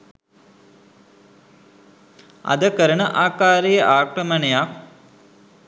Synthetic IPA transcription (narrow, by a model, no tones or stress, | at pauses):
ɐ̰d̪ɐkɐɾɐɳɐʔaːkaːɾɐjɐʔaːkɾɐmɐnɐjak̚